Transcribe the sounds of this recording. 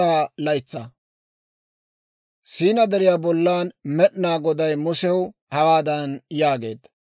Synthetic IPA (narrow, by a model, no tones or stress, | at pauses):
aːlɐjt͡sːɐ | siːnɐd̪ɛɾɪjaːbɔlːaːnmɛɗnaːɡɔd̪ɐjmʊsɛwhɐwaːd̪ɐnjaːɡe̞̰ːd̪